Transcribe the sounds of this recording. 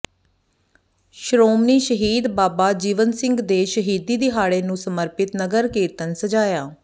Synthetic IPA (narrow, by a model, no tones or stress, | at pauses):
ʃɾoːmniːʃəɦiːd̪baːbaːd͡ʒiːʋənsɪŋɡd̪eːʃəɦiːd̪iːd̪iːɦaːɽeːnũːsəməɾpɪt̪nəɡəɾkiːɾt̪ənsəd͡ʒaːjaː